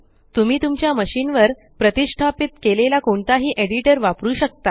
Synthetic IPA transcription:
t̪um̤iːt̪umt͡ɕjaməɕiːnʋəɾ | pɾət̪iʂʈʰapit̪kelelakoɳt̪aɦiːʔeɽiʈəɾʋapɾuːɕək̚t̪a

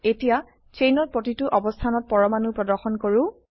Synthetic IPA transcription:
etija | t͡ʃejnɔt̚pɹotituʔɔbɔstʰanɔt̚pɔɹɔmanupɹɔdɔɹxɔnkoɹũ

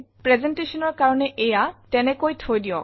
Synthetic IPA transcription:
pɹɛzɛnteʃɔnɔɹkaɹɔnɛʔejatɛnɛkojtʰojdiɔk

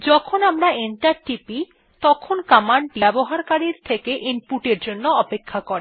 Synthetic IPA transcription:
d͡ʑɔkʰonamɾaenʈaɾʈipi | t̪ɔkʰonkamaɳʈbɛboɦaɾkaɾiɾt̪ʰekeʔimpuʈeɾd͡ʑonːoɔpekʰːakoɾi

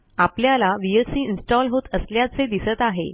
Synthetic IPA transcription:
apljalaʋiesiːinsʈɔlɦot̪əsljat͡sed̪isət̪aɦḛ

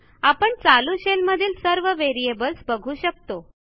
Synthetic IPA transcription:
apəɳt͡saluɕelməd̪ʱiːlsəɾʋəʋeɾiebəlsbəɡʱuːɕək̚t̪o

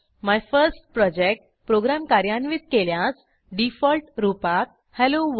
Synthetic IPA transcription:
majfəɾsʈ̚pɾɔd͡ʑek̚ʈ | pɾoɡɾamkaɾjanʋit̪̚keljas | ɖifɔlʈɾupak̚ | hɛloʋ

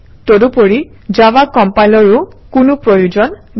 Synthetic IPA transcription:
todupoɹi | d͡ʒawakɔmpajlɔɹukunupɹɔjud͡ʒɔn

